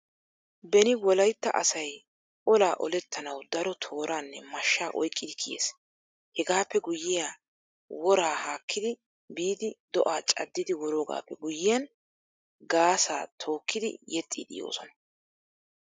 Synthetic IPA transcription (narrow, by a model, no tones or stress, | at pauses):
bɛnɪwɔlɐjt̪ːɐ̰ʔɐ̰sɐj | ɔlaːʔɔlɛt̪ʰːɐnɐwd̪ɐɾɔt̪ʰo̞ːɾʔaːnːɛmɐʃːaːʔɔjkʼːɪd̪ɪkʰɪjḛːs | hɛɡaːpːɛɡʊjːɪjaː | wɔɾaːhaːkːɪd̪ɪ | biːd̪ɪd̪ɔʔaːt͡ʃʼɐ̰d̪ːɪd̪ɪwɔɾoːɡa̰ːpːɛɡʊjːɪjɐn | ɡaːsa̰ːt̪ʰo̞ːkːɪd̪ɪ̰jɛt̪ʼːḭːd̪ɪ̰jo̰ːsɔnɐ